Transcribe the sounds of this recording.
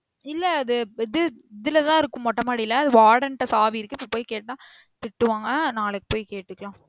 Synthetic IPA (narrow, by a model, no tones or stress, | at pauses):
ɪlːɐɐðɯɪðɯɪðɪlɐt̪ãːɪɾɯkːɯ̃mːɔʈːɐmaːɽɪɪlɐɐðɯʋaːɽɐnʈːɐsaːʋiɪɾɯkːɯɪpːɐpoːjkeːʈːãː | t̪ɪʈːɯʋaːŋɡɐnaːlɐkːɯ̥poːjkeːʈːɯkːɐɭãː